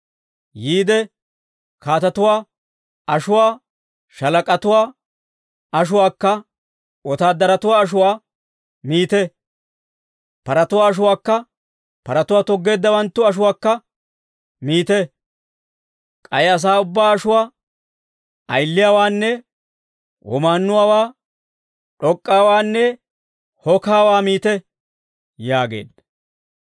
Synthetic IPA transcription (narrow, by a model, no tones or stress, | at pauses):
jiːd̪ɛ | kaːt̪ɐt̪ʊwaː | ɐʃʊwaː | ʃɐlɐkʼɐt̪ʊwaː | ɐʃ̬ʊwaːkːɐ | ɔt̪aːd̪ɐɾɐt̪ʊwaːɐʃ̬ʊwaː | miːt̪ɛ | pɐɾɐt̪ʊwaːʃ̬ʊwaːkːɐ | pɐɾɐt̪ʊwaːt̪ɔɡːe̞ːd̪ːɐwɐnt̪ːʊɐʃ̬ʊwaːkːɐ | miːt̪ɛ | kʼɐjɐs̬aːʊbːaːɐʃʊwaː | ʔɐ̰jlːɪjaːwaːnːɛ | wʔɔ̰maːnːʊwaːwaː | ᶑɔkʼːaːwaːnːɛ | hɔkaːwaːmiːt̪ɛ | jaːɡḛːd̪ɐ